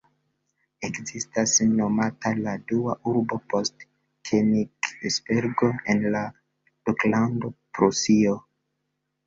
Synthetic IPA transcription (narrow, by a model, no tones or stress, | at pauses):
ekzistasno̞mataladuaʔuɾbo̞po̞st | kʰeniksbeɾɡoenla | luklando̞pɾusio